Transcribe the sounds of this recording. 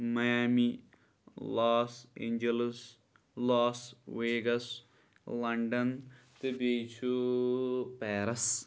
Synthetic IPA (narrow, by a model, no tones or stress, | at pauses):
mɐjaːmi | laːsḛːɲd͡ʒeles | lɔːsʋeːɡɐs | lɐɳɖɐn | t̪ibeːt͡ʃʰu | peːɾɐs